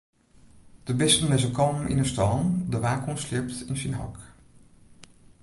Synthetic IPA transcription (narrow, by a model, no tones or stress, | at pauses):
d̥əbɪsənɛzənkɑlˠmmʔɪ̰nəstɑndəʋaːkɔnslɪɹptɪnsinɦɑ̰k